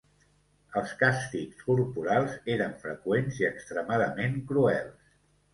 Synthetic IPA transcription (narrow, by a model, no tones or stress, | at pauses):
əlˠskast̪ikskuɾpuɾalˠzeɾəɱfɾə̰kwenziəkst̪ɾəmaðəmeŋkɾuɛlˠs